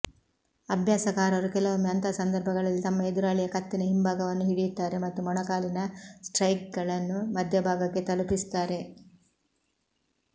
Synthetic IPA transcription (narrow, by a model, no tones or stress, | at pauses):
ɐbʱjaːsɐkaːɾɐɾukɛlɐʋumːɐnt̪ʰaːsɐnd̪ɐɾbʱɐɡɐɭɐlːit̪ɐmːɐed̪uɾaːɭijɐkɐt̪ːinɐɦimbʱaːɡɐʋɐnːuɦiɽijud̪ːaːɾe̞mɐt̪ːumɐɳɐkaːlinɐsʈɾɐjk̚ɡɐɭɐnːumɐd̪ʱjɐbʱaːɡɐkːe̞t̪ɐlupist̪aːɾe̞